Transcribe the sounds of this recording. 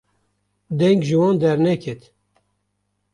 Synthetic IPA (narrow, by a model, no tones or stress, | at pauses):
d̪ɛŋɡʒɨwɑːnd̪ɛɾnɛkʰɛt̪